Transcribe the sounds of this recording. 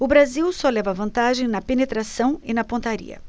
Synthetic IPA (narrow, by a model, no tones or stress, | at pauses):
ʊbɾaziwsɔlɛvɐvɐ̃nt̪aʒẽj̃nɐpenet̪ɾasɐ̃w̃ɪnɐpõt̪aɾḭɐ̰